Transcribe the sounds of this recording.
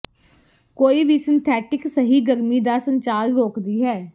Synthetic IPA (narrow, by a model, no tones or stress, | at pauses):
koːiːbʱiːsɪnt̪ʰɛːʈɪksəɦiːɡəɾmiːd̪aːsə̃ɲt͡ʃaːɾɾoːkd̪iːɦɛː